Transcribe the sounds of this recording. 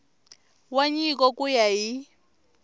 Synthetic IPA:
waɲikʼɔkʼujaɦi

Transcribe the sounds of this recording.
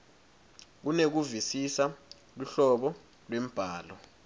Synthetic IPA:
k̬unek̬uvisisa | luɬɔɓɔ | lwem̩b̥ʱaːlɔ

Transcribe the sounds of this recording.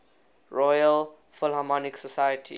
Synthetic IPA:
ɹɔjəl | fʊlhamɔniksɔsajətʰḭ

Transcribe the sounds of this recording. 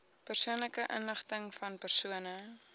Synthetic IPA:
pərsuənləkəʔə̰nləχtəŋfɐnpərsuənə

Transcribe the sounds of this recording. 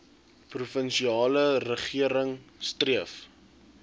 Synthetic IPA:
prufənʃiɑːlərəχiəɾəŋstriəf

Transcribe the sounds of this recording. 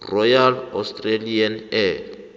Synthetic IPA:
rɔjalɔ̰stʼralianɛ

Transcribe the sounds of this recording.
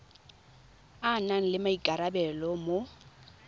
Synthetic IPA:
anaŋ̩lɪmaikʼaɾabɛlɔmo

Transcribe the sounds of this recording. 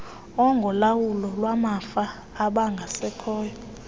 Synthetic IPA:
ɔŋɡʱɔlawulɔlwamafaː | ɓaŋɡʱasɛkʰɔːjɔ

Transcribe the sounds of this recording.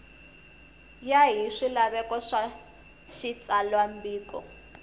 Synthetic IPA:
jaɦiʂilaβɛkɔʂa | ʃit͡salwambiːkɔ̰

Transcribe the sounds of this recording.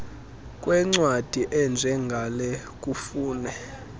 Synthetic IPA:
kʼwɛŋ͡ǀwad̥ʱiʔɛnd͡ʒʱɛŋɡʱalɛ | kʼufuːnɛ

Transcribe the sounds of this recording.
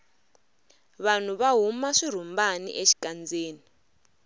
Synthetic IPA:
βan̤uβaɦumaʂiɾ̤umbanḭʔeʃi̥kand͡zeːni

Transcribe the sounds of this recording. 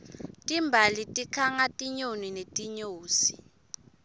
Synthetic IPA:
tʼimbʱalitʼikʰaŋatʼiɲoninetʼiɲoːsi̥

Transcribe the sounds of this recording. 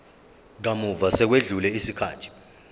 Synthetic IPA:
k̬amuvasɛk̬weɮulɛisikʰaːtʰi̥

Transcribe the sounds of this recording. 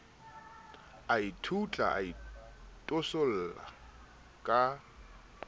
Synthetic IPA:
aitʰut͡ɬʼa̰a̰itʼosol̩ːla̰ | kʼa

